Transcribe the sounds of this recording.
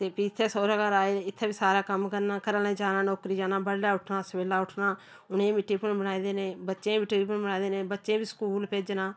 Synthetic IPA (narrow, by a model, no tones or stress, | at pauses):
t̪eːpiɪt̪ʰːeːsoːɾəɡaːɾaːeːɪt̪ʰːeːbiːsaːɾaːkəmkəɾnaːkəɾəlẽːd͡ʒaːnãːnoːkɾiːd͡ʒaːnaːbəɽlaːʊʈʰnaːsəʋeːlaːʊʈʰnaː | ʊnẽːmɪʈːiːpənbəñaːid̪eːnẽːbətːʃẽːmɪʈipənbənaːid̪eːnẽːbətːʃẽːbiːskuːlpeːd͡ʒnãː